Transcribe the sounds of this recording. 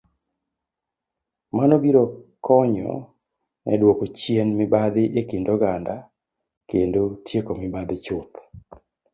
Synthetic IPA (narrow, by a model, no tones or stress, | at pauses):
manobiɾokɔɲɔ̰ | nʔɛ̰dwokot͡ʃjenmɪbad̪ɪʔekɪndɔɡanda | kendotʰjekomɪbad̪ɪt͡ʃʊp